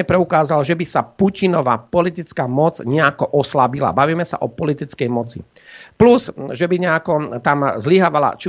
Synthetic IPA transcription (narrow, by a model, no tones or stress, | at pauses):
ɛpɾɛukaːzalʒɛbisapucinɔʋapɔlit̪it͡skaːmɔd͡zɲɛakɔʔɔslabila̰baʋiːmɛsa̰ʔɔpɔlit̪it͡skɛjmɔt͡sḭplusʒɛbiɲɛakɔt̪amzliɦaʋala̰t͡ʃi